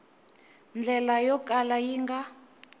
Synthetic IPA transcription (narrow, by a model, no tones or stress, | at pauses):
nd͡ɮʱɛlajɔkʼalajiŋɡa